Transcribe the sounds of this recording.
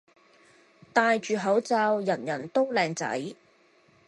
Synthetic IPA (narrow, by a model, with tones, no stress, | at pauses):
t̪aː˨˧jt͡ʃyː˨˧ɦɐ˨˥wt͡saː˧wjɐ˨˩njɐ˨˩nt̪o˥wlɛː˧ŋt͡sɐ̰˨˥j